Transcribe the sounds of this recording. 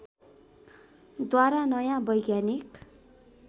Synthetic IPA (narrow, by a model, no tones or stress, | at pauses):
d̪waɾanʌjãbʌjɡjanik